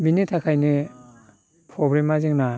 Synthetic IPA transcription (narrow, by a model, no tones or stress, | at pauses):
binitʰakʰajni | pʰɔbɾimaziŋna